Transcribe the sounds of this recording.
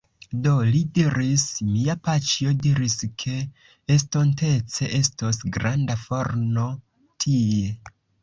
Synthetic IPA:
do̞lidiɾismiapat͡ʃio̞diɾiskʰe̞ː | sto̞nte̞t͡se̞ʔe̞stosɡɾandafoɾno̞ | tʰie̞

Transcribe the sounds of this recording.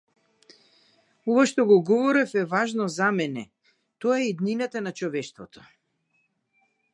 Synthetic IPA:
ɔvaʃt̪ɔɡɔɡɔvɔɾɛfɛvaʒnɔzamɛnɛ | t̪ɔaɛid̪ninat̪anat͡ʃɔvɛʃt̪vɔt̪ʰɔ̥

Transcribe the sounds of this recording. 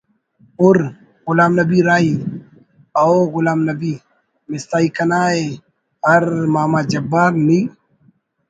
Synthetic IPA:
ʊɾ | ɣʊlaːmnɐbiɾaːi | aoɣʊlaːmnɐbiː | mɪst̪aːikɐnaːe | ɐɾmaːmaːd͡ʒɐbːaːɾniː

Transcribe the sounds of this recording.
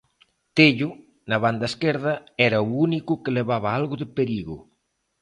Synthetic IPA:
t̪eʎʊ | nɐβand̪ɐeskɛɾð̞ɐɛɾɐuunikʊkeleβaβɐalɣʊðepeɾiɣʊ̰

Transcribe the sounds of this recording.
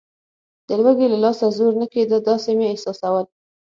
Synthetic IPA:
d̪̥əlwaɡelalɑsazoɾnaked̪əld̪ɑsemeːhsɑsawəl

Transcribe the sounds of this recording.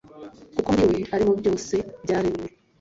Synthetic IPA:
kukomiweaɾimuβiɟomuseɟaːɾimwe

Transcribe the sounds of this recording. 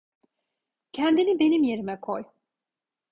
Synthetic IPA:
cʰænd̪inibe̞nimje̞ɾimɛkʰoj

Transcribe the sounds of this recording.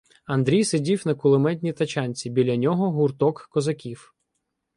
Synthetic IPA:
ɐnd̪ɾʲijsedʲiwnɐkʊlˠɪmɛdʲnʲit̪ɐt͡ʃanʲt͡sʲibʲilʲɐnʲɔɦɔɦurt̪ɔkːɔzɐkʲiw

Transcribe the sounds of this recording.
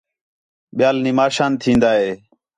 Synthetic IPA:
ɓɪjaːlniːmaːʃaːnt̪ʰĩːnd̪aːɦeː

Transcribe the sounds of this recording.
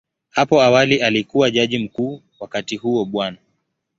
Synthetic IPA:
hapɔawaliʔalikuwaʄaʄim̩kuː | wakatihuɔɓwana

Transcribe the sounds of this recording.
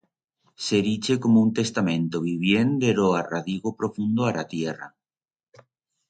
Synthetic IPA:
seɾit͡ʃekomount̪est̪amẽnt̪oβiβ̞jend̪eɾoaraðiɣopɾofund̪oaɾat̪jera̰

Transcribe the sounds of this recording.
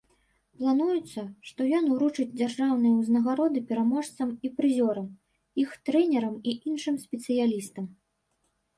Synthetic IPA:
plˠanujut̪sːɐʂt̪ɔjɔnuɾut͡ʂɨd͡zʲd͡zʲarʐawnɨjɐwznɐɣaɾɔd̪ɨpʲɛɾamɔʂt̪sɐmipɾɨzʲɔɾɐm | ixt̪ɾɛnʲɛɾɐmiʔinʂɨmsʲpʲɛt̪sɨjalʲist̪ɐm

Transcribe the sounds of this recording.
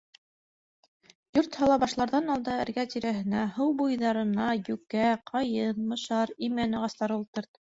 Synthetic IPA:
joɾt̪hɑlˠɑβɑʃlˠɑɾðɑnɑlˠd̪ɑæ̆ɾɡæt̪iɾæɦɘ̆næhɤwbujðɑɾɤ̆nɑjʉkæqʰɑjɤnmɤ̆ʃɑɾimænɤ̆ʁɑst̪ɑɾulˠt̪ɤ̆ɾt̪

